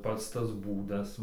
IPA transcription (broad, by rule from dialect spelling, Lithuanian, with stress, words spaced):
ˈpɐts tɐs ˈbuːdɐs